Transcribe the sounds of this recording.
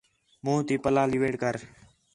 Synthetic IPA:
mũːt̪iːpəlaːlɪʋeːɽkəɾ

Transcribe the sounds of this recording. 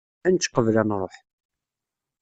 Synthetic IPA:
ænt͡sːqəvlænɾˤoħ

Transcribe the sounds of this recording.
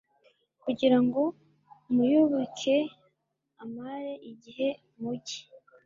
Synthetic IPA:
kuɟiɾaŋɡo̞ | mujuβuke̞ | amaɾe̞ʔiɟihe̞ | muɟi̥

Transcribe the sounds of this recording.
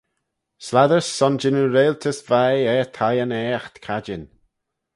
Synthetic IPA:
slaðəɹsːɔnd͡ʒɪnəɾeːlt̪ʰəsvajɛːt̪ʰajanɛːaxt̪kʰad͡ʒɪn

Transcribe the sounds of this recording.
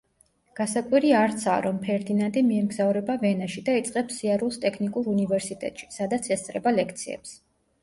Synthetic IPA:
ɡ̥asakʼwiɾiaɾt̪sʰa̰ɾɔmpʰɛɾd̪inant̪ʼimiɛmɡzavɾɛbavɛnaʃid̪ait̪sʼqʼɛbsiaɾulˠst̪ʼɛkʰnikʼuɾunivɛɾsit̪ʼɛ̰t̪ʼʃi̥sad̪at̪sʰɛst̪sʼɾɛbalɛkʰt̪sʰiɛ̰ps

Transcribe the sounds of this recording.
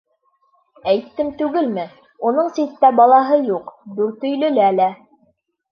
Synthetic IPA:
æjt̪ːɘmt̪ʉɡɘlmɘ | unɤɴsit̪ːæbɑlˠɑɦɤjuqd̪ʉɾt̪ɵ̆jlɘ̆lælæ

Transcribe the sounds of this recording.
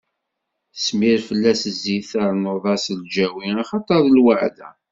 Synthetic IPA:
smiɾfəlːæsəzːiθəɾmoðˤɑsld͡ʒæwiɑχɑt̪ˤɑɾˤəlwəʕðæ̰

